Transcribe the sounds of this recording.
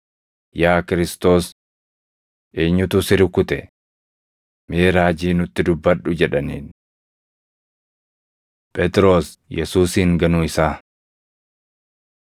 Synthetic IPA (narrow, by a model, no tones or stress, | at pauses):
jaːkɪɾɪst̪o̞ːs | ʔeːɲːʊt̪ʊsɪɾɪkːʊt̪ɛ | meːɾaːd͡ʒiːnʊt̪ːɪd̪ʊbːɐᶑʊd͡ʒɛᶑɐniːn | pʼɛt̪ʼɾo̞ːs | jɛsuːsiːŋɡɐnʊɪsaː